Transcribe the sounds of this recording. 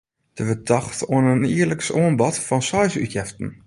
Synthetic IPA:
d̥əʋədɔxtoənəniərləksoənbɔtfɔnsɔjsy̰tjɛftn̩

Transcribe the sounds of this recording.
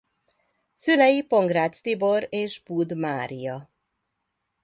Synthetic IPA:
sylɛjipo̞ŋɡraːt̪st̪ibo̞ɾeːʃbud̪maːɾijɒ

